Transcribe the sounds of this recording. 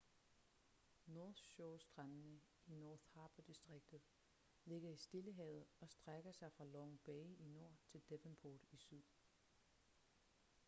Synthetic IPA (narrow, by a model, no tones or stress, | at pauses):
nɔːɕɔʊsd̥ʁɑnnə | inɔːθhɑ̈ːb̥ɐd̥isd̥ʁeɡ̥̚d̥ð̩ˠ | le̝ɡ̥ɐisd̥e̝ləɦɛ̰ːð̩ˠɒ̽sd̥ʁaɡ̥ɐsɑ̈ɪfʁɑ̈lɒŋb̥ɛɪino̝ɐ̰t͡sʰe̝ld̥eʋənpʰoːd̥isyð̰ˠ